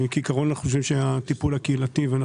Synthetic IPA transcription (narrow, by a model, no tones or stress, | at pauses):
kikaʁonanaχuχoʃ̬vimʃeat̪ipulakeilat̪ivana